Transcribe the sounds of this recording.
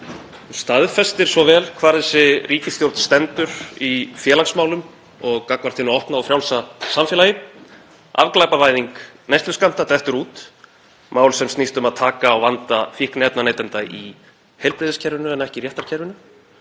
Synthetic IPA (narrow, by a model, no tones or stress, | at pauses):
st̪aðfɛst̪ɪɾ̥svɔvɛːlkʰvaːɾðɛsɪrʔiːcɪst̪jowɾt̪n̥st̪ɛnt̪ʏɾifjɛːlaksmaːwlʏm | ɔɣkakmaɾ̥t̪ʰɪnʏɔhpnaawfɾjawlsasamfjɛlajɪ | ʔa̰vklajpavaːjðiŋknajst̪ʏskam̥t̪at̪ɛht̪ʏɾuːt̪ | maːwlsɛmst̪nist̪ʏmaðt̪ʰaːkaːwvant̪afɪhknɛp̚nanejt̪ɛnt̪ai | hɛjlpɾɪðɪscʰɛɾvɪnʏɛnːɛhcɪrjɛht̪aɾ̥cʰɛɾvɪnʏ